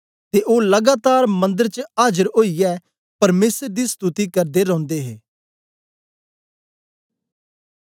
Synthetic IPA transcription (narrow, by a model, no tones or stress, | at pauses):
t̪eːʔoːləɡaːt̪aːɾmə̃nd̪əɾt͡ʃəaːd͡ʒəɾɦoːijɛː | pɐɾmeːsɾd̪iːst̪ut̪iːkəɾd̪eɾɔ̃ːnd̪eːɦeː